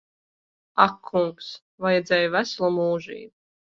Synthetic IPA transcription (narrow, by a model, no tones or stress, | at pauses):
akʰːuŋks | vajɛd̪zʲɛːjvæslˠɔmuːʒḭːt̪̚